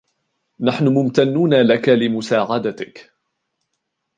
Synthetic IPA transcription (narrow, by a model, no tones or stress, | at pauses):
naħnʊmʊmt̪anːuːnalakalɪmʊsaːʕad̪at̪ɪk